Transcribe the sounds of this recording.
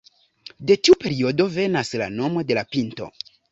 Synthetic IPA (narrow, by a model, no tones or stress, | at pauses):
de̞tiupe̞ɾio̞do̞ve̞nasla̰no̞mo̞de̞lapinto̞̰